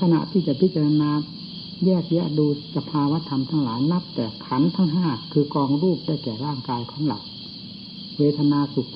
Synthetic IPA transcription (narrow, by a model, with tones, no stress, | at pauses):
kʰa˧na̰˨ʔt̪ʰiː˥˩t͡ɕa˨˩pʰi˦t̪̚t͡ɕa˧a˧naː˧ | jɛː˥˩k̚ja˦˥duː˧sa˧pʰaː˧wa˦˥t̪ʰa˧mt̪ʰa˦˥˩ŋla̰ː˩˦jna˦˥p̚t̪ɛː˨˩kʰa˩˦˥nt̪ʰa˦˥˩ŋɦaː˥˩kʰɯː˧kɔː˧ŋɾuː˥˩p̚daː˥˩jkɛː˨˩ɾaː˥˩ŋkaː˧jkʰɔː˩˦ŋla̰˨˩w̚ | weː˧t̪ʰa˧naː˧su˨˩k̚